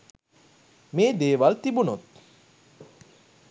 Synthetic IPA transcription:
meːd̪eːʋalt̪ibunot̪̚

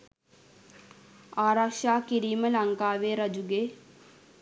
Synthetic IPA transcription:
aːɾakʃaːkiɾiːməlaŋkaːʋeːɾɐd͡ʒuɡeː

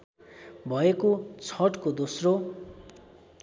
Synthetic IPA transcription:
bʱʌekot͡sʰʌʈkod̪osro

